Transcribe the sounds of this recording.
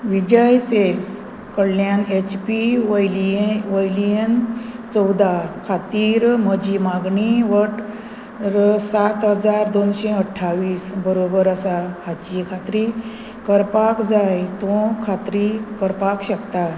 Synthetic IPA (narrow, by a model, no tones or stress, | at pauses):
ʋid͡ʑəjsels | kəɽljanet͡ɕpiliʋəjlient͡səwd̪akʰat̪iːɾməd͡ʑimaɡɳiʋəʈ | ɾsat̪ɦəd͡zaɾd̪onɕeəʈʰːaʋiːsbəɾobəɾəsahat͡ɕikʰat̪ɾi | kəɾpakd͡zajt̪ɔ̃kʰat̪ɾikəɾpakɕəkt̪a